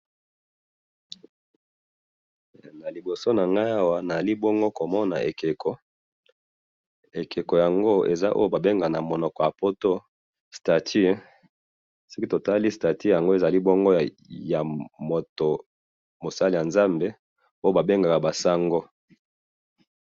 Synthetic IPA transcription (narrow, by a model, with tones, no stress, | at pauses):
na˨li˨bo˨so˦na˨ŋɡa˦ja˦wa˦na˨za˨li˦bo˦ŋɡo˦ko˨mɔ˦na̰˨ʔe˨ke˨kɔ˦ | e˨kʰe˨ko˨ja˨ŋɡo˦ḛ˨za̰˦ʔo̰˦jo˦ba˨be˦ŋɡa˨na˨mo˨nɔ˨kɔ˨ja˨po˦to˦ | sta˨tʰi˦ | si˦ki˦to˨ta˦li˦sta˨ti˦ja˨ŋɡo˦e˨za˨li˦bo˦ŋɡo˦˨ | ja˨mo˨to˨ | mo˨sa˦li˨ja˨nza˦mbe˨ | o˦jo˦ba˨be˦ŋɡa˨ka˨ba˨sa˦ŋɡo˦